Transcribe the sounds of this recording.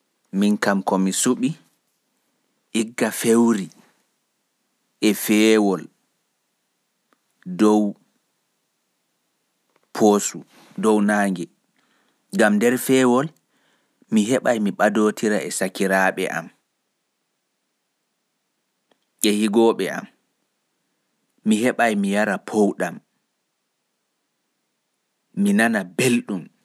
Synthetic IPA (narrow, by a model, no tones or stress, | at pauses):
minkamkɔmisuɓi | ʔiɡːafewɾi | ʔɛfɛwɔl | dɔw | pʰoːsu | dɔwnaːŋɡɛ | ɡamdɛɾfɛːwɔl | miɦɛɓajmiɓadoːtʰiɾaɛsakiɾaɓɛ̰ʔa̰m | ʔɛhiɡɔːɓɛ̰a̰m | iɦɛɓajmijaɾapʰowɗam | inanabelɗum